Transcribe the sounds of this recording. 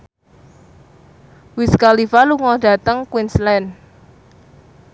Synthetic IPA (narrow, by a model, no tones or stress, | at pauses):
wɪskalifaluŋɔd̥ä̤t̪əŋkwinslɛn